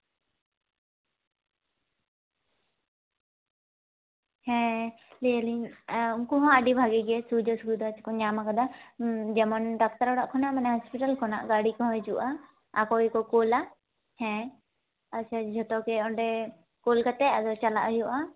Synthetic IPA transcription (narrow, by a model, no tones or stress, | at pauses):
hɛ̃ | lɛaliuŋkɔɦɔ̃aɖibʱaɡɛɡɛsud͡ʒɔsuɡud̪ɔt͡ʃkɔɲamakad̪ad͡ʒɛmɔnɖak̚t̪aɾɔɽaʔkʰɔnaʔmanɛɦɔspiʈalkʰɔna̰ʔɡaɽikɔɦɔ̃jd͡ʒuʔaː | kɔikɔkɔla | hɛ̃ | at͡ʃad͡ʒʱɔt̪ɔkɛɔɳɖɛ | kɔlkat̪ɛad̪ɔt͡ʃala̰ʔjɔʔa